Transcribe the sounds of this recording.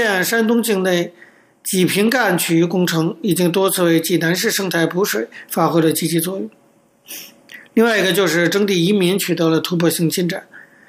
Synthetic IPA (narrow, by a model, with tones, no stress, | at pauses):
nʂa˥nt̪ʊ˥ŋt͡ɕi˥˧ŋne˥˩ɪ | t͡ɕi˨˩pʰi˧˥ŋka˥˩nt͡ɕʰy˨˩y˧˥kʊ˥ŋʈ͡ʂʰɤ˧˥ŋi˨˩t͡ɕi˥ŋt̪wɔ˥t͡sʰɹ̩˥˧we˥˩ɪt͡ɕi˥˩na˧˥nʂɻ̩˥˧ʂɤ˥˧ŋt̪ʰa˥˩ɪpʰu˧˥ʂwe˨˩˦ɪfa˥xwe˥ɪlə˨t͡ɕi˥t͡ɕi˧˥t͡swɔ˥˩jʊ˨˩˦ŋ | li˥˧ŋwa˥˩ɪi˧˥ɡə˧t͡ɕjo˥˧ʊʂɻ̩˥˩ʈ͡ʂɤ˥ŋt̪i˥˩i˧˥mi˧˥nt͡ɕʰy˨˩t̪ɤ˧˥lə˧t̪ʰu˧˥pʰwɔ˥˩ɕi˥˩ŋt͡ɕʰi˥˧nʈ͡ʂa˨˩˦n